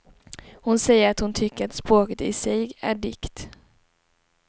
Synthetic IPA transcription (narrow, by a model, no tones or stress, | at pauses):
hʊnsɛjːəɾat̪hʊnt̪ʰʏkːəɾat̪spɾoːkət̪ɪsɛjæ̰ɖɪkt̪